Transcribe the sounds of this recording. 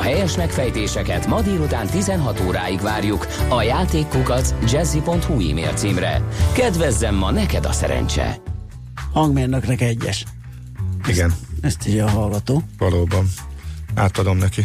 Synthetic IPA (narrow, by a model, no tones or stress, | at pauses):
ɦɛjɛʃmɛkfɛjt̪eːʃɛkɛt̪mɒd̪iːɾut̪aːnt̪izɛnɦɒt̪oːɾaːjiɡvaːrjuk | ɒjaːt̪eːkːuɡɒt̪sd͡ʒɛzːipo̞nt̪huḭːmḛːlt̪siːmrɛ̰kɛd̪vɛzːɛmːɒnɛkɛd̪ɒ̰sɛ̰ɾɛ̰nt͡ʃɛ̰ | hɒŋɡmeːlnøknɛkɛɟːɛʃ | iɡɛnɛst̪ʰiɟɛɒɦɒlɡɒt̪oːvɒloːbɒnaːt̪ɒd̪o̞mnɛki